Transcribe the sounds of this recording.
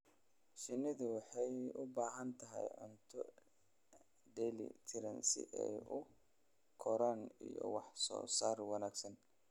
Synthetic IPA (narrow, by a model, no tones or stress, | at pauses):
ʃɪnɪðʊwɑħɑjʊbaːɦɐnt̪ʰɐɦɛ̰jʕʊ̰nt̪ʰɔ | ɖɛlɪ̰t̪ʰɪɾɐnsɪ̰ʔɛjʊ | kʰɔɾaːnijɔ̰wɑħsɔ̰ːsaːrwɑnaːɡsɐn